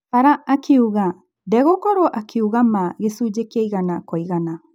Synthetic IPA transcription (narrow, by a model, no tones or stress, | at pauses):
paɾaːkiuɣa | dɛɣokɔɾoʔakiuɣamaɣesud͡ʒekiejɣanakojɣana